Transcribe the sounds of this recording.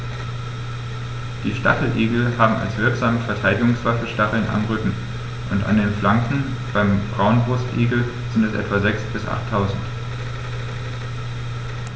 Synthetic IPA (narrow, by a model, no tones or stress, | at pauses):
d̥iːʃta̰χl̩ʔiːɡl̩haːbm̩a̰lsv̥ɪɐkz̥aːməfɛɐtʰaɪdɪɡʊŋsv̥afəʃtaχl̩na̰mʁʏkŋ̩ | ʔʊnta̰ndeːnflaŋkŋ̩ | b̥aɪmb̥ʁaʊnbʁʊstʔiːɡl̩ | z̥ɪntɛsʔɛ̰tv̥azɛksb̥ɪsʔa̰χtʰːaʊzn̩t